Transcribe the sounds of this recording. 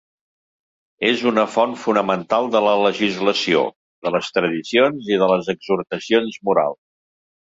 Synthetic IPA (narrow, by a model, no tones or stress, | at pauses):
ezunəfɔnfunəmənt̪alˠd̪ələləʒizləsio̰ | ðələst̪ɾəðisionziðələzəɡzuɾt̪əsionzmuɾa̰lˠs